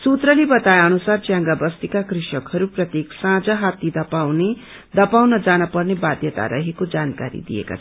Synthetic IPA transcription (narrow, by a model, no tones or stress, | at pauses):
sut̪rʌlibʌt̪ajʌnusart͡sjãŋɡabʌst̪ikakriʃʌkhʌɾuprʌt̪jeksãd͡zʌɦat̪id̪ʌpawne | d̪ʌpawnʌd͡zanʌpʌrnebad̪ʱjʌt̪a̰ɾʌ̰ɦekod͡zankaɾḭd̪ḭjḛka̰t͡sʰʌ